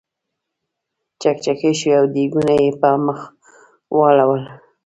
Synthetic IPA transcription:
t͡ʃak̚t͡ʃakeʃwiawd̪iɡunajepɑməx | wɑlawəl

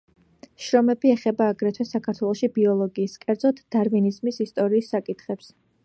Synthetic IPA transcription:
ʃɾɔmɛbiɛχɛbaːɡɾɛt̪ʰwɛsakʰaɾt̪ʰwɛlˠɔʃibiɔlˠɔɡiːskʼɛɾd̪zɔt̪ʰd̪̥aɾvinizmisist̪ʼɔɾiːsːakʼit̪ʰχɛps

